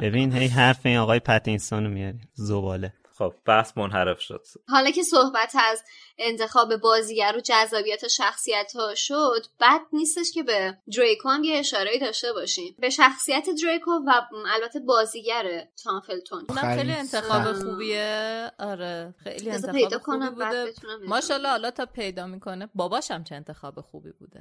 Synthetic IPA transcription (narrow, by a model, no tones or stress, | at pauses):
b̥e̞binɦejɦæɾfeinɒɣɒːjepʰæt̪ʰinsɒːnomijɒɾizobɒːle | xob̥̚b̥æhsmonɦæɾe̞fʃo̰d̪̥ɦɒlɒcʰe̞sohbæt̪ʰæz | e̞nt̪ʰe̞xɒːbe̞bɒːziːɟæɾod͡ʒæzːɒːbijæt̪ʰeʃæxsijæt̪ʰhɒːʃod̪b̥æd̪̥̚niːst̪e̞ʃce̞bed̪ɾejkʰoæmjeːʃɒːɾeiːd̪ɒːʃt̪e̞bɒːʃiːmbe̞ʃæxsijæt̪ʰed̪ɾejkʰovæælbæt̪ʰːe̞bɒːziːɟæɾet̪ʰɒnfelt̪ʰonunæmxejlient̪ʰexɒːbexuːbieɒɾexḛjlizpʰe̞jdɒːkʰo̞næmbbæd̪et̪ʰunæmbemɒːʃɒlɒhːlɒt̪ʰɒpʰe̞jd̪ɒːmiːkʰonebɒːbɒːʃæmt͡ʃʰeːnt̪ʰexɒːbexubḭbṵːd̪e